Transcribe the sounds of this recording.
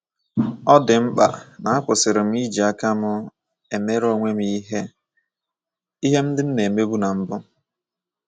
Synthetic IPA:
ɔ˦dɪ˨m̩˦k͡pa̰˨na˨a˦kʷʊ˨sɪ˨ɾɪ˨m̩˦i˦d͡ʒi˨a˦ka˦mʊ˦ | e˨me˦ɾo˦ŋʷe˦m̩˦˨i˦ɦe˦ | i˦ɦe˦m̩˦dɪ˦n̩˦ne˨me˦bu˦na˨m̩˦bʊ˦

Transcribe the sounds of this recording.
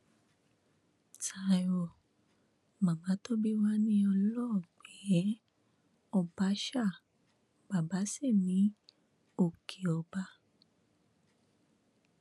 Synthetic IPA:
ta˨o˨ | mã˨mã˨˦to˦bi˦wa˦nĩ˦ɔ˧lɔ˦˨ɡ͡bɛ˨˦ | ɔ˧ba˧˦ʃa˦˨ | b̥a˨ba˨˦si˦˨nĩ˨˦ | o˦˨kʰe˨ɔ˧ba˧˦

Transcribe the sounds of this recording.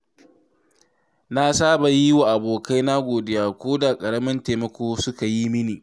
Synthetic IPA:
na˦saː˦ba˨ji˦wa˨ʔa˨boː˨ka˦jna˦ɡʷoː˨dɪ˦jaː˨kʷoː˦da˨kʼɐ˨ɽɐ˦mɐ˦nteː˨mɐ˨kʷoː˦sʊ˦ka˨ji˦mɪ˦niː˨

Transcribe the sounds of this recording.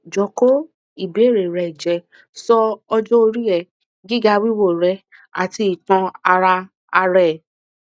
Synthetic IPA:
d͡ʒɔ˨ko˦ | i˦˨be˨˦e˦˨ɾe˨ɾɛ˨d͡ʒɛ˨ | sɔ˧ɔ˧d͡ʒɔ˦o˧ɾi˦ɾɛ˨ | ɡi˦ɡa˧wi˦wo˦˨ɾɛ˧˦ | a̰˨ti˧i˨tã˧a˧ɾa˧ | a˧ɾɛ˦˨

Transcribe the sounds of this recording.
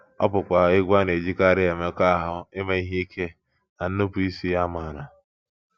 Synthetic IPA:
ɔ̰˦pʊ˨kʷa˨ɪ˦ɡʷa˦ne˨d͡ʒi˦ka˦ɾɪ˦e˨me˦ka˦ɦʊ˦ɪ˦me˦i˦ɦi˦i˦kʰe˦ | na˨n̩˦no˦pu˦i˦si˦ja˦ma˨na˨

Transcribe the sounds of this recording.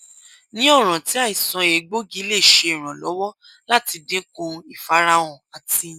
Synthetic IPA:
nĩ˦ɔ˦˨ɾ̃ã˨ti˨˦a˦˨i˨sɔ̃˧e˨˦ɡ͡bo˦ɡi˨˦le˦˨ʃe˧i˨ɾ̃ã˨lɔ˨˦wɔ˦ | la˦ti˧dĩ˦kũ˧˦i˨fa˨˦ɾa˦w̃ɔ̃˧˨a˨ti˧˦

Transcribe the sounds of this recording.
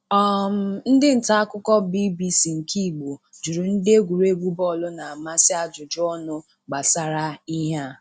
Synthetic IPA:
ɔ˦m̩˨n̩˦dɪ˦n̩˨ta˦a˦kʊ˦kɔ˦bi˦bi˦si˨ŋ̩˨kʰi˦˨ɡ͡bo˨ | d͡ʒu˨ɾu˨n̩˦de˦ɡʷu˨ɾe˦ɡʷu˦bɔ˦˨lʊ˦na˨a˨ma˦sɪ˦a˦d͡ʒʊ˨d͡ʒʊ˦ɔ˦nʊ˦ | ɡ͡ba˨sa˦ɾa˦i˦ɦa˦

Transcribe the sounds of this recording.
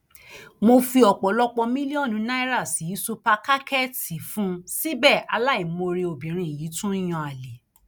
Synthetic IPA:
mo˧fi˧ɔ˨k͡pɔ˨˦lɔ˦k͡pɔ˧mĩ˦li˦ɔ˦˨nũ˧˦na˦i˦ɾa˦˨si˨˦su˦pa˧ka˦kɛ˦˨ti˨fũ˨˦si˦bɛ˦˨a˧la˦˨i˨mo˧ɾi˧o˨bĩ˨ɾ̃ĩ˧˨ji˨˦tũ˦i˦j̃ɔ̃˧a˨le˨

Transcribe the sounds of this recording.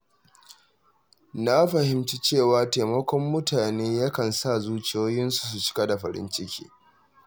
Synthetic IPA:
na˦ɸɐ˨hɪ˨mt͡ʃi˦t͡ʃeː˦˨waː˨teː˨mɐ˦kʷɔ˦mːʊ˦taː˨neː˦ja˦kɐ˨nsa˦˨zuː˦t͡ʃɪ˦joː˦jɪ˦nsu̥˨s̬u˨t͡ʃɪ̥˦ka˦da˨ɸɐ˨ɾɪ̰˦nt͡ʃɪ˦kʲḭː˦

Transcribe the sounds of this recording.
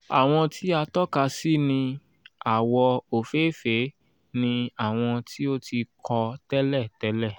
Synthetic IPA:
a̰˨w̃ɔ̃˧tʰi˦a˧tɔ˦ka˧si˦nĩ˧ | a˨wɔ˧o˨fe˦fe˨˦ | nĩ˧a˨w̃ɔ̃˧ti˦o˦ti˧kʰɔ˧tɛ˦lɛ˦˨tɛ˨˦lɛ˦˨

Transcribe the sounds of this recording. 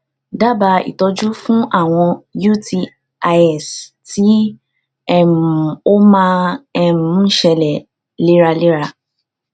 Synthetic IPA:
da˦˨ba˧ḭ˨tɔ˧d͡ʒu˦fũ˦ʔa˦˨w̃ɔ̃˧ju˦ti˧ | a˧ɛ˦˨s | ti˨˦ | ɛ˦m˨o˦mãː˦˧ɛ˦mũ˨˦ʃɛ˧lɛ˨ | le˦ɾa˧le˦ɾa˧

